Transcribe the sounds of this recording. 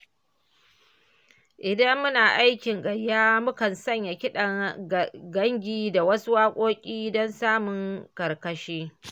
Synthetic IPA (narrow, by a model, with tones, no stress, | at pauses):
ʔɪ˨dɐ˦mːʊ˦naː˨ʔa˦jkʲɪ˨ŋɡɐ˨ɾjaː˦mʊ˦kɐ˨nsɐ˦ɲja˨kʲɪ˦ɗɐ˨ | ɡɐ˦ŋɡʲiː˦da˨wɐ˦su˦waː˦kʷʼoː˦kʲʼiː˦dɔ˦nsaː˦mʊ˨ŋkɐ˨rkɐ˨ʃeː˦